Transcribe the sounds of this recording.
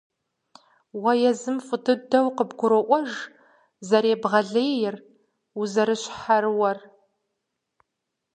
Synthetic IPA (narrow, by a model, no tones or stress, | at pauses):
wɐjɛzɨmfɨtʰɨdɐwqəbɡʷʊɾɔʔʷɔʒ | zɐɾeːbʁɐɮeːjɪr | uzɐɾɨɕħarɨwɐr